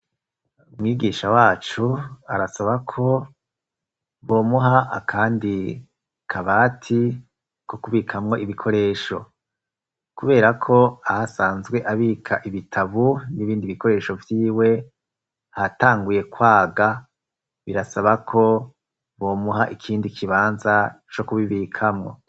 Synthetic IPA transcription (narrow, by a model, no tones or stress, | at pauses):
umŋiːɡiːʃawaːt͡ʃuaɾasaβakʰo̞ | βo̞ːmuɦaʔa̰kʰaːndi | kʰaβaːtʰi | kokuβikʰamŋo̞ʔiβikʰo̞ɾe̞ːʃo̞ | kuβe̞ːɾakʰo̞ahasaːnzɡwe̞ʔaβikʰaʔiβitʰaβuniβiːndiβiko̞ɾe̞ːʃo̞vjiːwe̞ | hataːŋɡuje̞kwaːɡa | βiɾasaβakʰo̞ | βo̞ːmuɦaʔikʰiːndikʰiβaːnza | t͡ʃo̞kuβiβiːkʰamŋo̞̰